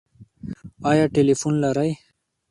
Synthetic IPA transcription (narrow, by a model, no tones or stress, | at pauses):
ɑːjɑːʈelifunlaɾaj